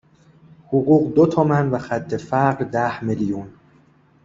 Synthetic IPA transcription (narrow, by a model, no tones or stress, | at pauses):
hoɣuːɢd̪ot̪ʰɒmænvæxæt̪ʰːe̞fæɢɾd̪æhmeljun